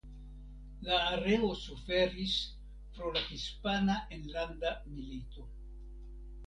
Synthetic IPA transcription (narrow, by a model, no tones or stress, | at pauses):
laːɾe̞o̞sufe̞ɾis | pɾolahispanaʔenlandamilito̞